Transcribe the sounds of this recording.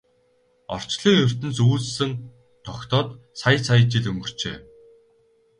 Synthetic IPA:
ɔ̰r̥t͡ɕɮiːŋjɵr̥ʲt̪ɘ̆nt͡suːt͡ssɘ̆ŋ | t̪ʰɔkt̪ɔːt̪ | sajə̆t͡sʰajə̆t͡ɕĭɮɵmɡɵ̆r̥t͡ɕḛː

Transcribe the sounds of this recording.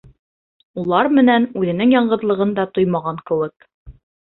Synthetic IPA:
ulˠɑɾmɘ̆nænʉðɘ̆nɘŋjɑɴɢɤ̆ðlˠɤ̆ʁɤ̆nd̪ɑt̪ojmɑʁɑŋkɘ̆wɘk

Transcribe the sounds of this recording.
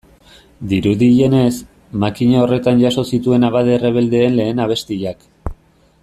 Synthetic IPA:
d̪iɾuðiʎe̞ne̞s | makiɲao̞re̞t̪anʝaso̞sit̪ue̞naβaðere̞β̞e̞ld̪e̞ːnle̞ːnaβ̞e̞st̪iʝak

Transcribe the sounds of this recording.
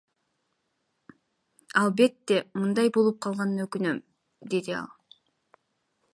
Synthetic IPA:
ɑlˠbe̞t̪ːemɯnd̪ɑjbo̞lˠup̚qʰɑlˠʁɑnɯnøkynø̞m | d̪e̞d̪iɑ̰lˠ

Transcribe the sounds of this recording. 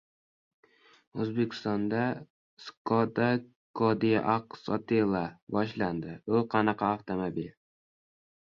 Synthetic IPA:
ɵzbekʲʰɪ̥st̪ɒnd̪a | skɒd̪a | kʰɒd̪ijaʔaqsɒt̪ʰelˠabɒʃland̪ɪʊqʰɑnɑqʰɑaft̪ʰomobil

